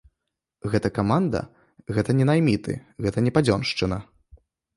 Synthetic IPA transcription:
ɣɛt̪ɐkamand̪ɐ̰ | ɣɛt̪ɐnʲɛnajmʲit̪ʰɨ̰ɣɛt̪ɐnʲɛpad͡zʲɔnʂt͡ʂɨnɐ

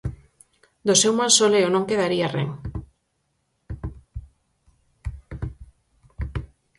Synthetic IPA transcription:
d̪osewmalsoleonõŋkeðaɾiarḛŋ

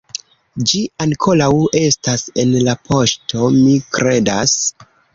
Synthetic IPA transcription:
d͡ʒiaŋkʰo̞lawe̞stase̞nlapʰo̞ʃtʰo̞mikɾe̞das

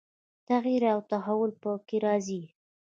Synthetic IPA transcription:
t̪aɣiɾawt̪aɦawʊlpəkeɾɑzi

